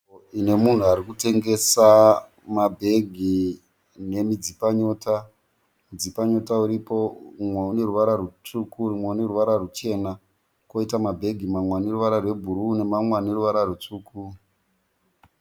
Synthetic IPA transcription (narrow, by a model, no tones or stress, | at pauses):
ine̞mun̤uaɾikute̞ŋɡe̞sa | mabʱe̞ɡʱi | ne̞mid͡zipaɲo̞ta | mid͡zipaɲo̞tauɾipo̞umweune̞ruʋaɾarut͡sukurimweune̞ruʋaɾarut͡ʃe̞ːna | koitamabʱe̞ɡʱimamwaniruʋaɾarwe̞bʱuɾuːne̞mamwaneruʋaɾarut͡suːku